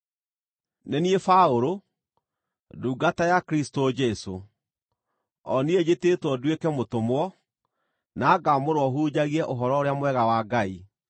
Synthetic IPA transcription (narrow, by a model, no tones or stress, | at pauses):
nɛniefaoɾo | duːɡatajakɾistod͡ʒɛso | ɔnied͡ʑetetwɔdwekɛmotomwɔ | naːɡamoɾwɔɦuːd͡ʑaɣiɛʔoɦɔɾɔoɾeamwɛɣawaɡai